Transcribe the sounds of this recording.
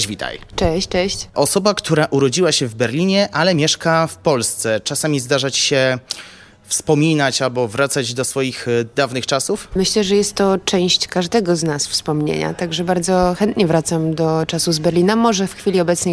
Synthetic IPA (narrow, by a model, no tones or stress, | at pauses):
vʲit̪a̰jt͡ʂɛɕt͡ʂɛɕt͡ɕʔɔsɔbakt̪ʰuɾaʔuɾɔd͡ʑiwaɕɛvbɛɾlʲiɲɛʔalɛmʲjɛʂkafpɔlst̪sɛt͡ʂasamʲizd̪aʐat͡ɕɕɛ | fspɔmʲinat͡ɕalbɔvɾat̪sad͡ʑd̪ɔsfɔjixd̪avnɘxt͡ʂasufmɘɕlɛʐɛjɛst̪ːɔt͡ʂɛ̃w̃ɕt͡ɕkaʐd̪ɛɡɔznasfspɔmɲḛɲa̰t̪aɡʐɛbaɾd̪zɔxɛnt̪ɲɛvɾat̪samd̪ɔt͡ʂasuzbɛɾlʲinamɔʐɛfxfʲilʲiɔbɛt̪sɲɛ